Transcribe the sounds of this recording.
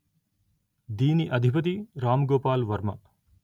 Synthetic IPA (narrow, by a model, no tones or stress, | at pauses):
d̪iːniʔɐd̪ʱipɐt̪̬iɾaːmɡoːpaːlʋɐɾmɐ